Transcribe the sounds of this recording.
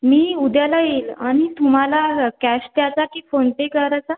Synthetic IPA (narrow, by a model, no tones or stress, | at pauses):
miːud̪jalajelaɽ̃it̪ʰum̤alakæɕt̪jat͡sakiːfoɳʈekəɾat͡sa